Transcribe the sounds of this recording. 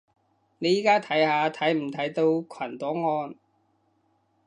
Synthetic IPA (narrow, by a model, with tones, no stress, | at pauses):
ne˨˧jiː˨˥kaː˥t̪ʰɐ˨˥jhaː˨˧t̪ʰɐ˨˥jm̩˨˩t̪ʰɐ˨˥jt̪o˧wkʰɐ˨˩nt̪ɔː˨˥ŋɔː˧n